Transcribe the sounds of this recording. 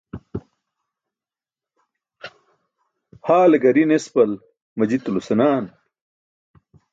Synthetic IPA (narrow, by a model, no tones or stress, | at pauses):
haːleɡɐɾinespɐl | mɐd͡ʑit̪ulusɐnaːn